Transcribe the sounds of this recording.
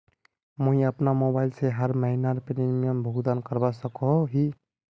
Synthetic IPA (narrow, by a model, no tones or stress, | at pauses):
mõɦĩəpnamobaɪlseɦəɾməɦinaɾpeɾimijəmbʱəɦd̪ankəɾbasəkoɦi